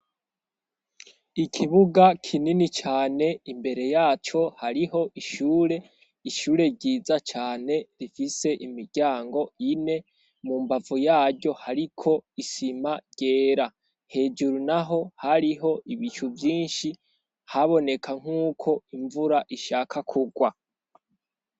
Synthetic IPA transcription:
ikʰiβuɡakʰininit͡ʃaːne̞imbe̞ɾe̞jaːt͡ʃo̞haɾiɦo̞ʔiʃuːɾe̞ | iʃuːɾe̞ɟiːzat͡ʃaːne̞ɾifise̞ʔimiɾɟaːŋɡo̞ine̞ | mumbavujaːɾɟo̞haɾikʰo̞isimaɟɟ̥e̞ːɾa | he̞d͡ʒuɾunaɦo̞haɾiɦo̞ʔiβit͡ʃuvjiːnʃi | haβo̞ne̞kʰaŋ̥uːkʰo̞iɱvuɾaʔiʃaːkʰakʰuɡwa

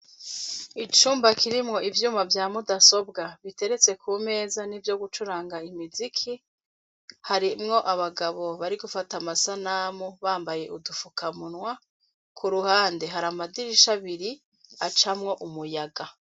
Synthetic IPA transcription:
it͡ʃuːmbakiɾimŋo̞ʔivjuːmavjaːmudaso̞b̚ɡaβite̞ɾe̞t͡se̞kʰume̞ːzanivjo̞ɡut͡ʃuɾaːŋɡaimizikʰi | haɾimŋo̞ʔaβaɡaβo̞βaɾiɡufatamasanamuβaːmbaje̞ʔudufukamunwa | kʰuɾuhaːnde̞ɦaɾamadiɾiʃaβiɾi | at͡ʃamŋo̞ʔumujaɡa

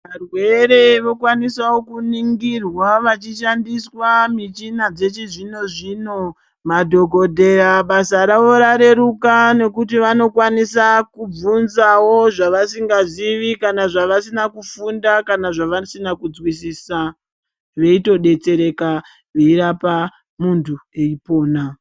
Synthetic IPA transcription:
ʋarwe̞ɾe̞ʋo̞kwanisawokuniŋɡirwaʋat͡ʃiʃandiswamit͡ʃinad͡ze̞t͡ʃiʐino̞ʐiːno̞ | madʱo̞ɡʱo̞dʱe̞ɾaɓasaɾao̞ɾaɾe̞ɾukane̞kutiʋano̞kwanisakub͡vunzawo̞ʐaʋasiŋɡaʐiʋikanaʐaʋasinakufundakanaʐaʋasinakud͡zwis̬iːsa | ʋe̞ito̞ɗe̞t͡se̞ɾe̞ka | ʋeiɾapa | muntʰue̞ipo̞ːna

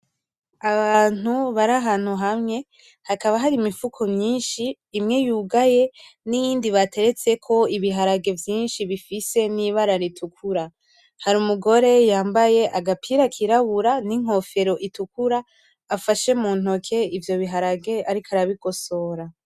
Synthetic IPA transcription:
aβaːn̥uβaɾaɦaːn̥huɦamŋe̞ | hakaβaɦaɾimifukʰomɲiːnʃiː | mŋe̞juːɡaje̞nijiːndiβatʰe̞ɾe̞t͡se̞kʰo̞iβiɦaɾaɡe̞vjiːnʃiβifise̞niβaɾaɾitʰukʰuɾa | haɾumuɡo̞ɾe̞jaːmbaje̞ʔaɡapʰiɾakʰiɾaβuɾaniŋ̥o̞fe̞ɾo̞ʔitukuɾaː | faʃe̞muːn̥o̞kʰe̞ivjo̞βiɦaɾaɡe̞aɾikʰaɾaβiɡo̞so̞ɾa

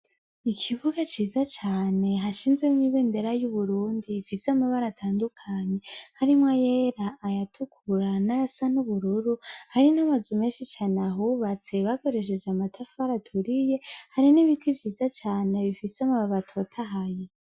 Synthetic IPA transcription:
ikʰiβuɡat͡ʃiːzat͡ʃaːne̞ɦaʃiːnzemiβeːnde̞ɾajuβuɾuːndiːfisamaβaɾatʰaːndukʰaɲe̞haɾimŋajeɾaʔːjatʰukʰuɾanasanuβuɾuɾuhaɾinaβazume̞ːnʃit͡ʃaːneaɦuβat͡se̞βako̞ɾe̞ʃ̬e̞d͡ʒamatʰafaɾatʰuɾije̞haɾiniβitʰivjiːzat͡ʃaːne̞βifiseamaβaβatʰo̞tʰaɦaje

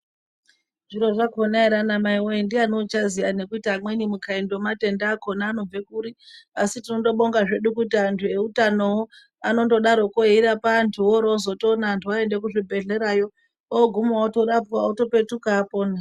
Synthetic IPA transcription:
ʐiɾo̞ʐakonaiɾanamaiwoindianot͡ʃazijane̞kuitaːmwenimukaendomate̞ndaːko̞naːno̞b͡ve̞kuːɾiasitino̞ndo̞ɓo̞ŋɡaʐe̞ɗukut̬iantʰue̞utano̞wo | ano̞do̞ɗaɾo̞koɦiɾapantʰuwoɾozo̞tonaːntʰuwae̞nde̞k̬uʐibʱe̞ɮe̞ɾajo̞ | oɡʱumuwato̞ɾapwaoto̞pe̞tukapo̞ːna

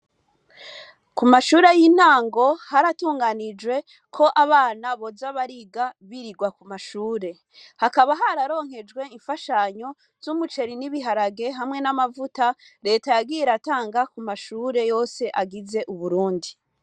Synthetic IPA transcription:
kumaʃuːɾejin̥aːŋɡo̞haɾatuːŋɡanid͡ʒwe̞ | kʰo̞ʔaβaːnaβo̞zaβaɾiɡaβiɾiɡwakumaʃuːɾe̞ | hakaβaɦaɾaɾo̞ːŋ̥he̞d͡ʒɡwe̞iɱfaʃaɲo̞ | z̥umut͡ʃe̞ɾiniβiɦaɾaɡe̞ɦamŋe̞namavuta | ɾe̞ːtajaɡiːjeɾataːŋɡakumaʃuːɾe̞jo̞ːse̞ʔaɡize̞ʔuβuɾuːndi

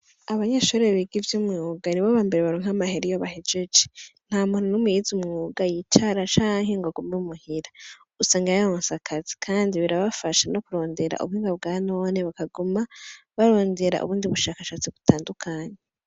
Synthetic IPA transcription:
aβaɲaʃuɾeβiɡivjomwioɡaniβaβaːmbeɾeβaɾoːŋ̥amaheɾijoβaɦed͡ʒed͡ʒe̥n̥haːmununumujizumŋuɡajit͡ʃaɾat͡ʃaːŋɦe̞ŋɡoɡomemuhiɾa | usaːŋɡajaoːnsakʰazi̥kʰaːndiβiɾaβafaʃano̞kuɾo̞ːnde̞ɾa̰ʔṵβuhiːŋɡaβ̚ɡaːno̞ːneβakaɡumaβaɾo̞ːnde̞ɾa̰ʔṵβuːndiβuʃaːkaʃaːt͡siβutaːndukʰaːɲe

